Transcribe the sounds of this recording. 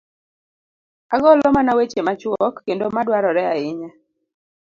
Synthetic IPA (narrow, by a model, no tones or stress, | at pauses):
aɡɔlɔmanawet͡ʃemat͡ʃwɔkːendomadwaɾɔɾɛaɪɲa